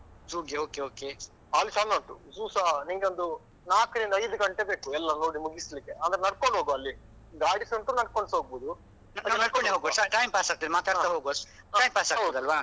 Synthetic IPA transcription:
d͡ʒuːɡeoːkeoːke | aːlːisanɐɳʈud͡ʒuːsaniŋɡeond̪u | naːkɾind̪ɐjd̪uɡɐɳʈebeːkuɛlːɐnoːɽimuɡislikːeʔaːnd̪ɐɾenɐɽkoɳɖɦoːɡuɐlːi | ɡ̪aːɽisuɳʈuːnɐɽkoɳsɦoːɡ̚buːd̪u | nnɐɽ̚koɳɖiɦoːɡosaʈɐjmpaːsaːk̚t̪id̪maːt̪aːɽaɦoːɡɐs | ɐjmpaːsaːkt̪ːd̪ɐlʋaː

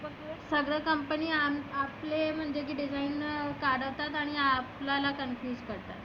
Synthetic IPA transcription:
bə | səɡɾəkəmpəniːamaplem̤əɳd͡ʑek̬iːɖid͡zʱainkaɽəʋt̪at̪aɽ̃iaplalakənfjuːd͡zkəɾt̪a̰t̪

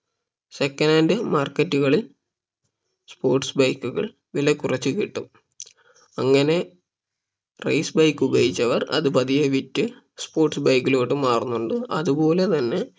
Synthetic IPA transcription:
sekːɐnaːndɨmaːrkːɐtːuɣɐɭil | spo̞ːrʈsbɐjkːuɣɐ̰ɭ | ʋilɐkːurɐt͡ɕːɨkiʈːum | ɐŋːɐne̞ | rɐ̰jsbɐjkːubɐjit͡ɕːɐʋɐrɐ̰ðɨpɐðijɐʋitːɨ | spo̞ːrʈsbɐjkːilo̞ːʈːɨmaːrunːuɳɖɨɐ̰ðubo̞ːle̞t̪ɐnːe̞

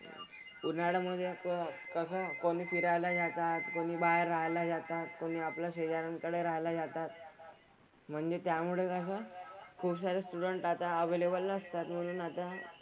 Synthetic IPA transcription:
puɾnaɽaməd̪ʱːjekkəsəːkoɽ̃iːfiɾajlad͡zat̪at̪koɽ̃iːbaɾːaɦlad͡zat̪at̪koɽ̃iːaplaɕed͡ʑaɾaŋkəɽeɾaɦlad͡zat̪at̪ | m̤əɳd͡zet̪jamuɭekəs̬əːkʰuːbsaɾesʈuɽəɳʈat̪aəʋelebəlnəst̪at̪məluːnat̪a

